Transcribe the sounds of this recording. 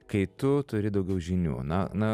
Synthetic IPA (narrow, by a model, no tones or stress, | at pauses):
kɐɪt̪ʊt̪ʊɾʲɪd̪ɒʊɡʲɛʊʒʲɪnʲṵːnɐnɐ